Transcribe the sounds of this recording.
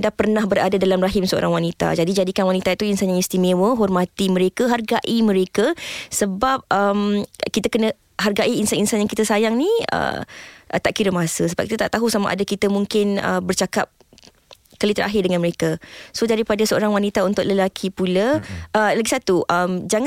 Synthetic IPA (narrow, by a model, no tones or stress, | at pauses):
ndapərnãhbəɾadadalamraɦɪmsəo̰ɾaŋwanit̪a̰d͡ʒadid͡ʒadikanwanit̪ait̪uinsanjaŋist̪imewəɦɔrmat̪imə̃ɾekaɦarɡaʔimə̃ɾekasəbap̚əmkit̪akənə | ɦarɡaʔiinsaninsanjaŋkit̪əsajaŋniə̰ʔt̪aʔkiɾəmasəsəba̰p̚kit̪at̪aʔt̪aɦusama̰ʔa̰dakit̪əmũŋkɪnə̰bərt͡ʃakap̚ | kəlit̪əɾʔa̰ɦɪrdəŋanməɾekasodaɾipadasəoɾaŋwanit̪aunt̪ʊʔ̚ləlakʰipulaəlaɡisat̪uʔəmd͡ʒaŋa